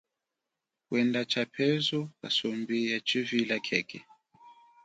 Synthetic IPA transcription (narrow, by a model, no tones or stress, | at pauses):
kwɛndat͡ʃapʰɛzuka̰sɔmbijat͡ʃivilakʰɛkʰɛ